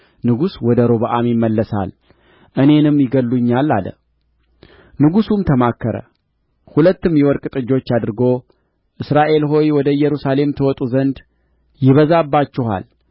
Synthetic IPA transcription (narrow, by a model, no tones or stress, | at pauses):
nɨɡuswɔd̪əɾo̞βəʔamjɪmːəlːəsa̰l | ʔɨne̞nɨmːjɪɡəlːuɲːalːa̰lə̰ | nɨɡusumt̪ʰəmakːəɾə̰ | hulət̪ːɨmjɛwɔɾkʼt̪ʼɨd͡ʒːo̞t͡ʃːad̪ɨɾɨɡo̞ | ʔɨsɾaʔe̞lɦo̞jwɔd̪əjɛɾusale̞mt̪ʰəwɔt̪ʼuzənd̪ | jɪβəzabːat͡ʃːɪɦa̰l